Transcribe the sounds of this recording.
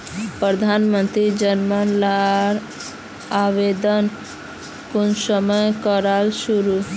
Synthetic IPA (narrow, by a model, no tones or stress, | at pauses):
pɾəd̪ʱanmənt̪ɾid͡ʒənmənlaɾ | aʋed̪ən | kʊnsəməjkəɾalʃuɾu